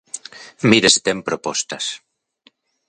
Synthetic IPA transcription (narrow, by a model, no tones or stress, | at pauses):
miɾest̪empɾopɔst̪as